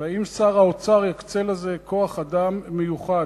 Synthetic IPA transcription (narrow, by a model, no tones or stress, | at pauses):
vaimsaʁaot͡saʁjakt͡selaze̞kʰo̞aχad̪amːejuχa